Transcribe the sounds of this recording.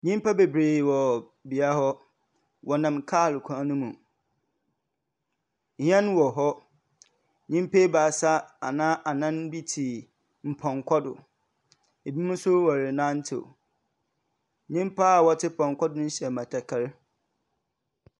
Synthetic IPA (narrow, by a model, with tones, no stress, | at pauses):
ɲĩ˦m˦pʰa˦be˨bɾeː˨wɔ˨ | bi˨a˦hɔ˦ | wʔɔ˨nã˨m˨kʰaː˦˨lkʷʰã˦nʊ̃˦mũ˨ | hɛ̃˦n˦wɔ˨ɦɔ˦ | ɲĩ˦m˦pʰe˦baː˨sa˦a̰˨nãː˦ʔa˨nã˦nbi˦tʰi˨ | m̩˨pʰɔ̃˨ŋkʷʰɔ˦dʊ̰˨ | e˨bi˦mũ˦sʊ˦wɔ˨ɾɪ˨nã˦n̩˦tʰḛ˨ | ɲĩ˦m˦pʰa˦˨wɔ˨tʰɪ˦pʰɔ̃˨ŋkʰʷɔ˦dʊ˦n̩˦ɕɛ˨mã˨tʰa˨kʰa˦ɾ